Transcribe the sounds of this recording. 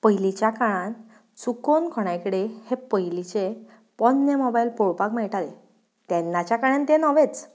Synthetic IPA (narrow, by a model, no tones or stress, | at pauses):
pəjlit͡ɕjakaɭãn | t͡sukonkʰɔɽ̃ajkəɽehepəjlit͡ɕe | pɔnːemɔbajlpɔɭpakmɛɭʈale | t̪ɛnːat͡ɕjakaɭ̃ẽnt̪enɔʋet͡s